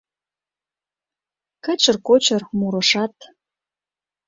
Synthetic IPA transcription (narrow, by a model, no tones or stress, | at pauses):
kə̆t͡ɕərkot͡ɕɤrmuɾɤ̆ʃɑt̪